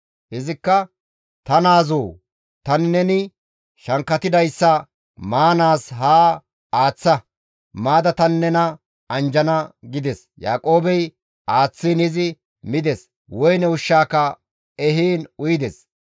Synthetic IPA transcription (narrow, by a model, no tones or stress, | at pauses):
hɪzɪkːɐ | t̪ɐnaːzoː | t̪ɐnɪnɛnɪ | ʃɐŋkːɐt̪ɪd̪ɐjsːɐ | maːnaːsɦaː | aːt͡sːɐ | maːd̪ɐt̪ɐnːɛnɐ | ɐnd͡ʒɐnɐɡɪd̪ɛs | ja̰ːkʼo̞ːbɛj | ʔaːt͡sːiːnɪzɪ | mɪd̪ɛs | wɔjnɛʊʃːaːkːɐ | ɛɦiːnʊjd̪ɛs